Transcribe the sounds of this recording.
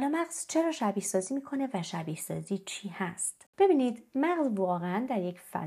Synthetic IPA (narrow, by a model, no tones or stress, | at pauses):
lɒːmæʁz̥t͡ʃʰe̞ɾɒːʃæbiːhsɒːziːmiːkʰo̞ne̞væʃæbiːhsɒːziːt͡ʃʰiːhæst̪b̥e̞biːniːd̪mæʁzvɒːɣeænd̪æɾje̞cʰfæ̰